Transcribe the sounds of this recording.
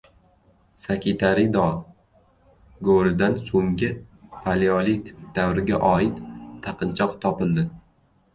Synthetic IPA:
sakʰʲit̪ʰaɾid̪ɒ | ɡoɾɪd̪ansoŋɡʲɪpʰaliolit̪d̪̥awɾɪɡʲaʔɒɪt̪ʰːaqɨnt͡ʃʰɒqt̪ʰɒpɪlˠd̪ɪ

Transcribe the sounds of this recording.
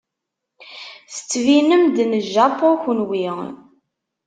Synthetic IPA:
θə̥t͡sːvinəmd̪nəʒːɑpˤoçnwiʁ

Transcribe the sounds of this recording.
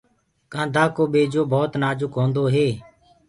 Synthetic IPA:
kãːd̪ʱaːkoːɓeːd͡ʒoːbʱɔːt̪naːd͡ʒʊkɦõːnd̪oːɦeː

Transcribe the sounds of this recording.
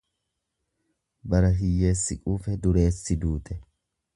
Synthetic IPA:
bɐɾɐɦɪjːe̞ːsːɪkʼuːfɛd̪ʊɾe̞ːsːɪd̪uːt̪ʰʼɛ

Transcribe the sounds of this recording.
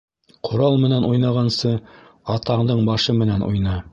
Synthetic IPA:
qʰŏɾɑlˠmɘ̆nænʔujnɑʁɑnsɤ | ɑt̪ɑɴd̪ɤɴbɑʃɤmɘ̆nænʔṵjnɑ

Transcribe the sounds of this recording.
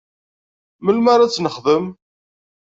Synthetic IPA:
məlmaɾˤat͡sːnəχðəm

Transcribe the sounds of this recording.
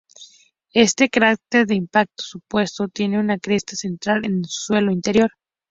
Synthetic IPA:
e̞st̪e̞kaɾak̚t̪eɾðeimpak̚t̪o̥supwe̞st̪ot̪je̞ne̞unakɾest̪ase̞nt̪ɾalensu̥swe̞loint̪e̞ɾjo̞ɾ

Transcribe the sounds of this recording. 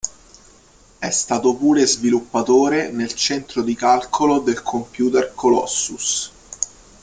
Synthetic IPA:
ɛst̪aːt̪opuːɾezvilupːat̪oːɾenelt͡ʃɛnt̪ɾod̪ikalkʰolod̪elkʰompjuːt̪erkʰolɔ̰sːus

